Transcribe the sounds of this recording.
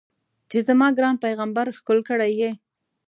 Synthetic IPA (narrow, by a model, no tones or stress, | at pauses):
t͡ʃezamɑɡɾɑnpajɣambaɾxkolkəɽaje